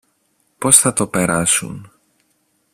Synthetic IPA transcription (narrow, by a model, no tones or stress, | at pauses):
po̞sθɐt̪o̞pe̞ɾɐsṵn